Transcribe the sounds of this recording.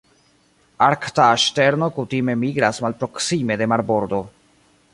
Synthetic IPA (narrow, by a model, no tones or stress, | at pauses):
aɾkt̪aːʃte̞ɾno̞kut̪ime̞miɡɾasmalpɾo̞ksime̞d̪e̞maɾboɾd̪o̞